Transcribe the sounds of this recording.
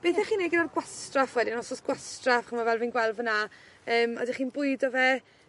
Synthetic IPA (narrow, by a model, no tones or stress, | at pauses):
b̥eθɛχiːneɡɪnarɡwastrafwɛdɪnɔsɔsɡ̥wastrafχəmavɛlˠvinɡwɛlˠvənaəːmɔ̰diχiːnbʊɨdɔvɛ